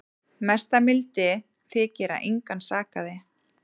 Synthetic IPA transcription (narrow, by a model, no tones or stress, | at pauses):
mɛst̪amɪlt̪ɪ | θɪːcɛːɾa̰ʔejŋkansaːkaðɪ